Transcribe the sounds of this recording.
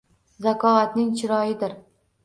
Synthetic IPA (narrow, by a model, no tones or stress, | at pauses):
zakʰɒat̪nɪŋt͡ʃʰɪɾɒjɪd̪ɪɾ